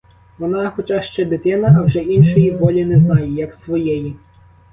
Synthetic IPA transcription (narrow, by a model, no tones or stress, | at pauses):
ʋɔnɑxɔt͡ʃɑʃt͡ʃɛd̪ɪt̪ɪnɐɐwʒɛinʃɔjiʋɔlʲinɛznɑjɛjɐksʋɔjɛji